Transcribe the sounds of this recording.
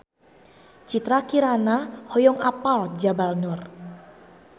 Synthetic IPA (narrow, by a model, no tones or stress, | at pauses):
t͡ʃit̪ɾakiɾanahɔjɔŋapald͡ʒabalnʊr